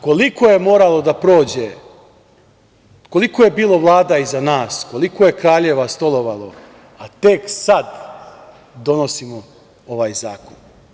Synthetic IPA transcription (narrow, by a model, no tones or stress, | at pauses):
ko̞liko̞je̞mo̞ːɾalˠo̞d̪apɾo̞ːd͡ʑe | ko̞likoje̞biːlˠo̞ʋlˠaːd̪aizanaːsko̞likoje̞kɾaːʎe̞ʋast̪o̞lˠo̞ʋalˠo̞̰ | at̪eksad̪ | d̪o̞no̞simo | oʋaːjzaːkon